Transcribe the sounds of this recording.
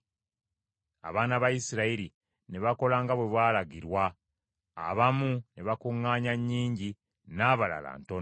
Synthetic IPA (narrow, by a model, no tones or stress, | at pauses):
a̰βaːnaβajisiɾaiɾi | ne̞βako̞laːŋɡaβwe̞βwaːlaɡiɾwa̰ː | βamuneβakuŋːaːɲaɲːiːɲɟi | naːβala̰la̰ːnto